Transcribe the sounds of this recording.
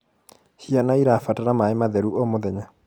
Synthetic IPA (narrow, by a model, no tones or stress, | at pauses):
ɕianaiɾafatanamaemaðɛɾuomoðɛɲa